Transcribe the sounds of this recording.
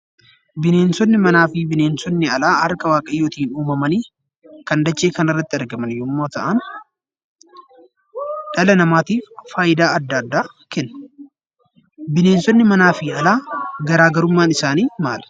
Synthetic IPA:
bɪne̞ːnsɔnːɪmɐnaːfɪːbɪne̞ːnsɔnːɪɐlaːhɐɾkɐwaːkʼɐjːoːt̪iːnuːmɐmɐniː | kɐnd̪ɐt͡ʃːe̞ːkɐnɪrːɐt̪ːɪɐɾɡɐmɐnjomːoːt̪ɐ̰ʔɐn | ᶑɐlɐnɐmaːt̪iːffaːjɪd̪aːɐd̪ːɐːd̪ːaː | kɛnː | bɪne̞ːnsɔnːɪmɐnaːfɪɐlaːɡɐɾaːɡɐɾʊmːaːnɪsaːniːmaːlɐ̥

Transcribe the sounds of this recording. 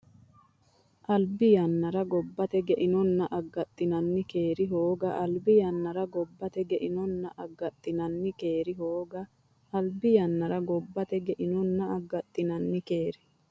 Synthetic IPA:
ʔɐlbɪjɐnːɐɾɐɡɔbːɐt̪ɛɡɛʔɪnɔnːɐʔɐɡːɐt̪ʼːɪnɐnːɪke̞ːɾɪɦoːɡɐʔɐlbɪjɐnːɐɾɐɡɔbːɐt̪ɛɡɛʔɪnɔnːɐʔɐɡːɐt̪ʼːɪnɐnːɪke̞ːɾɪɦoːɡɐ | ɐlbɪjɐnːɐɾɐɡɔbːɐt̪ɛɡɛʔɪnɔnːɐɐɡːɐt̪ʼːɪnɐnːɪkeːɾɪ

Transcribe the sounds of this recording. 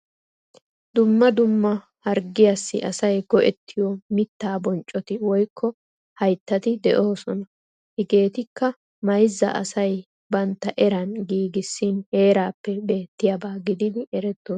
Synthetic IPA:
d̪ʊmːɐd̪ʊmːɐ | hɐɾɡɪjasːɪʔɐsɐjɡɔʔɛt̪ʰːɪjɔmɪt̪ːaːbɔnt͡ʃʼːɔt̪ɪwɔjkʰːɔ | hɐjt̪ːɐt̪ɪd̪ɛʔoːsɔnɐ | hɪɡe̞ːt̪ɪkːɐ | mɐjzːɐ̰ʔɐ̰sɐj | bɐnt̪ːɐʔɛɾɐnɡiːɡɪsːɪnhe̞ːɾaːpːɛbe̞ːt̪ːɪjabaːɡɪd̪ɪd̪ɪʔɛɾɛt̪ːoː

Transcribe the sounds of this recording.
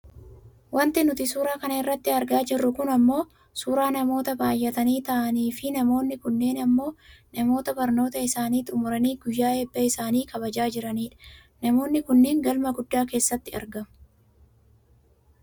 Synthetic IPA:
wɐnt̪ɪnʊt̪ɪsuːɾaːkɐnɐɪrːɐt̪ːɪɐɾɡaːd͡ʒɪrːʊkʊnɐmːo̞ː | suːɾaːnɐmo̞ːt̪ɐbaːjːɛt̪ɐniːt̪ɐʔɐniːfɪnɐmo̞ːnːɪkʊnːeːnɐmːo̞ːnɐmo̞ːt̪ɐbɐɾno̞ːt̪ɐɪsaːniːt̪ʼʊmʊɾɐniːɡʊjːaːeːbːɐɪsaːniːkɐbɐd͡ʒaːd͡ʒɪɾɐniːᶑɐ̥ | nɐmo̞ːnːɪkʊnːeːŋɡɐlmɐɡʊd̪ːaːke̞ːsːɐt̪ːɪɐ̰ɾɡɐmʊ

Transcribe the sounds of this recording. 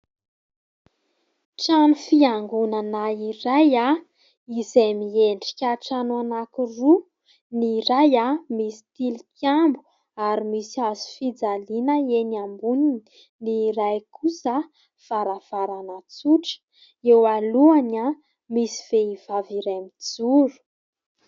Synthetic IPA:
ʈ͡ʂanufiaŋɡunanaiɾaja | izejmieɳɖ͡ʐi̥kʲaʈ͡ʂanuanakiru | niɾajamisi̥t̪ilikjambu̥ | aɾimisiazu̥fid͡zalinəenambuni | niɾajkusə | v̥aɾav̥aɾanat͡suʈ͡ʂə̥ | ewaluana | misi̥v̥eiv̥aviɾamid͡zuɾu̥

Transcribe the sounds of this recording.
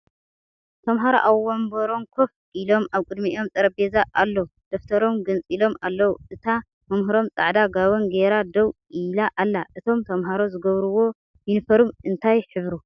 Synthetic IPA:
t̪ʰɐmɦaɾoʔawːombɐɾo̞mkʰof | ʔilo̞maβkʼɨd̪miʔjo̞mt͡sʼɐɾɐbezaʔalːɐd̪̥ɐft̪ʰɐɾo̞mɡɨnt͡sʼilo̞malːɐwuʔɨt̪ʰa | mɐmɦɨɾo̞mt͡sʼa̰ʕd̪aɡaβonɡeɾad̪ɐw | ilaʔalːaʔɨt̪ʰo̞mt̪ʰɐmɦaɾozɨɡɐβɾuwo̞ | minfɐɾumɨnt̪ʰajħɨβɾu

